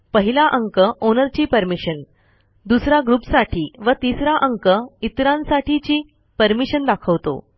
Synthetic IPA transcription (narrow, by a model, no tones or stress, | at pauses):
pəɦilaʔəŋkəʔonəɾt͡ɕiːpəɾmiɕən | d̪usɾaɡɾupsaʈʰiːʋət̪isɾaʔəŋkəit̪ɾãnsaʈʰit͡ɕiː | pəɾmiɕənd̪akʰəʋt̪o̰